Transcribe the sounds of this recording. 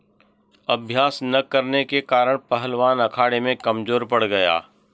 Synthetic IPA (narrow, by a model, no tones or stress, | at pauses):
ɐbʱjaːsnɐkɐɾnekekaːɾəɽ̃pɐɦəlʋaːnɐkʰaːɽemẽkɐmzoːɾpɐɽ̤ɡɐja̰ː